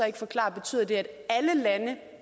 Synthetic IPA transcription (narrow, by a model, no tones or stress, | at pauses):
ɒ̽e̝ɡ̥əfɒ̽kʰlɑ̰̈ːb̥e̝t͡sʰy̰ːð̰ˠɐd̥e̝æd̥æləlænə